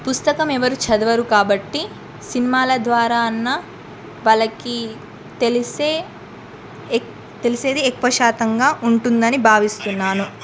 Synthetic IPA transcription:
pust̪ɐkɐmɛʋɐɾut͡ʃɐd̪ɐʋɐɾukaːbɐʈːi | sinimaːlɐd̪ʋaːɾaːɐnːɐ | ʋɐlɐki | t̪elise | t̪elise̞ːd̪iɛkʋɐʃaːt̪ɐŋɡaːʔuɳʈund̪ɐnibʱaːʋist̪unːaːnu

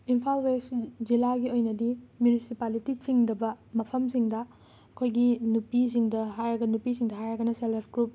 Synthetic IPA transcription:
impʰalwesd͡ʒilaɡiojnɐdimjunisipalitit͡ʃiŋdɐbɐmɐpʰɐmsiŋdɐ | ɐkʰojɡinupis̬iŋdɐɦajɾɐɡɐnupisiŋdɐɦajɾɐɡɐnɐselepʰɡɾup̚

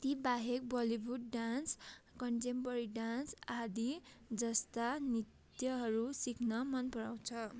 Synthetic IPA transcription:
t̪ibaɦek̚bʌlibuɖ̚ɖanskʌɳʈempʌɾiɖansad̪id͡zʌst̪anit̪ | jʌɦʌɾusikʰnʌmʌnpʌɾaw̃t͡sʰʌ

